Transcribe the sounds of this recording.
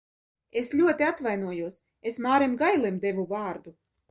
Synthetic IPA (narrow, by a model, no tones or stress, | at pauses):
esʎʲuɔt̪iat̪vajnuɔjuɔs | esmaːɾemɡajlˠimd̪evuvaːɾd̪u